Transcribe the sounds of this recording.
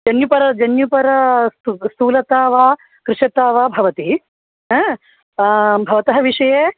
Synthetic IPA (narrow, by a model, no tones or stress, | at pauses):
d͡ʒɐnjupɐɾɐd͡ʒɐnjupɐɾɐst̪ust̪uːlɐt̪aːʋaː | kɾɪʂɐt̪aːʋaːbʱɐʋɐt̪i | ɦɐ | bʱɐʋɐt̪ɐɦɐʋiʂɐjeː